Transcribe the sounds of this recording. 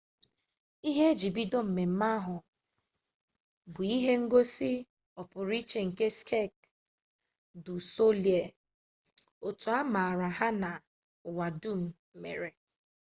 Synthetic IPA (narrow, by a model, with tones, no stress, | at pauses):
i˦ɦe˦d͡ʒi˨bi˦do˦m̩˨me˨m̩˦ma˦ɦʊ˨ | bʊ˨i˦ɦe˦ŋ̩˦ɡo˦sɪ˦ | ɔ˨pʊ˨ɾi˦t͡ʃe˨ŋ̩˨ke˦skʰe˦˨k̚ | dʊ˨so˦li˨e˨ | o˨tu˨a˦ma˨a˨ɾa˨ɦa˦na˨ | ʊ˨wa˨du˦m̩˨˦mḛ˨ɾe˨